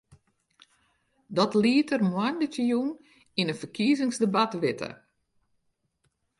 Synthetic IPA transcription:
dɔtliətərmwandətəjun | inənfərkʰiːzɪŋsdəbatʋɪtʰə̰

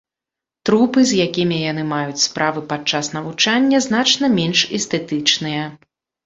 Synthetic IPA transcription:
t̪ɾupɨzʲjakʲimʲijanɨmajut͡sʲspɾavɨpat͡ʂasnɐvut͡ʂanʲːɐznat͡ʂnɐmʲenʂɛst̪ɛt̪ɨt͡ʂnɨjɐ

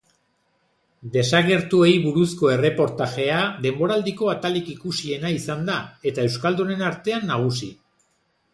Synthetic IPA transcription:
d̪e̞saɣe̞ɾt̪ue̞jβuɾusko̞e̞re̞po̞ɾt̪aʝe̞aðe̞mbo̞ɾald̪iko̞at̪alikikusie̞naisand̪ae̞t̪ae̞wskald̪une̞naɾt̪e̞anːaɣ̞usi

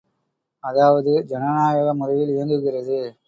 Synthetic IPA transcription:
ɐðaːʋɐðɯd͡ʒɛnɐnaːjɐɣɐmʊðɐjɪlɪɾɐnd̪ɯɣɪrɐðɯ

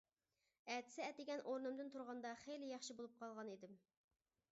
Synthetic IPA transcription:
ɛt̪ʰɪ̥sɪɛt̪ɪɡʲɛnʔoɾnɨmd̪ɪnt̪ʰuɾʁɑnd̪ɑχejlɪjɑχʃibolˠup̚qʰɑlˠʁɑnid̪ɪm

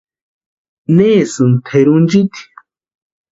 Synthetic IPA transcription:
neːsɨnt̪ʰeɾund͡ʒit̪i̥

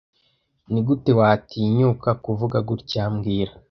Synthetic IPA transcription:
niɡute̞waːtʰiɲukakuvuɡaɡuɾcaːmɡiːɾa

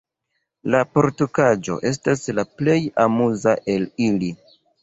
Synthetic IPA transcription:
lapo̞ɾtukad͡ʒo̞̰ʔe̞s̬taslaple̞jamuzaʔe̞lili

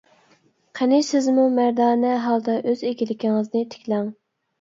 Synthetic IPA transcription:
qʰɛnɪsɪzmumæɾd̪ɑːnɛɦɑlˠd̪ɑʔøzeɡʲilɪkʲiŋɨznɪt̪ʰɪ̥kʲlɛŋ

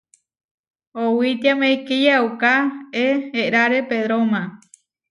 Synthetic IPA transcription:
owit̪jamẽjkijaukaeeɾaɾepeðɾomã

